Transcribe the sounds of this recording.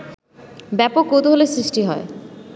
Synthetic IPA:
bɛpok̚ːowt̪oɦolesɾisʈiɦɔe

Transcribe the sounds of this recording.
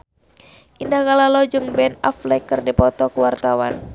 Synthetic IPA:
ʔindahɡalalɔd͡ʒɨŋbɛnaflɛkɨrdipɔt̪ɔkuwart̪awa̰n

